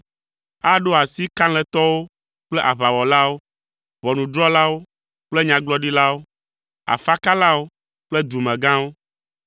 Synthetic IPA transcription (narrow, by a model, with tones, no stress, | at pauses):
a˦ɖo˦a˨si˦kã˦l̃ɛ˨t̪ɔ˦wo˦ | k͡plɛ˦ʔa˨βa˨wɔ˨la˦wo˦ | βɔ˨nũ˨d̪ɾɔ˦la˦wo˦ | k͡ple˦ɲã˨ɡlɔ˦ɖi˦la˦wo˦ | a̰˨fa˦ka˦la˦wo˦ | k͡plɛ˦d̪u˨mɛ̃˨ɡã˦wo˦